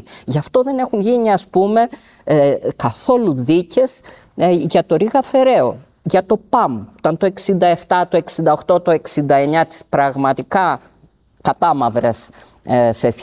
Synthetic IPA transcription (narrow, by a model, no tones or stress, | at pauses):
ʝɐft̪o̞ðe̞ne̞xunʝiniɐspume̞ | kɐθo̞luðice̞s | ʝɐt̪o̞ɾiɣɐfe̞ɾe̞o̞ | ʝɐt̪o̞pɐmt̪ɐnt̪o̞e̞ksind̪ɐe̞ft̪ɐt̪o̞eksind̪ɐo̞xt̪o̞t̪o̞e̞ksind̪ɐe̞ɲɐt̪i̥spɾɐɣmɐt̪ikɐ | kɐt̪ɐmɐvɾɐs | θes